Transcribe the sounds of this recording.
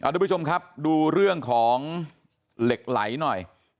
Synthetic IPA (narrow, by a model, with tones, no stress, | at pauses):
ʔa̰˨˧˩t̪ːpʰːt͡ɕʰo˧mkʰa˦˥p̚duː˧ɾɯ˥˩əŋkʰɔː˩˦ŋ | le˨˩k̚la̰˩˦jnɔ˨˩j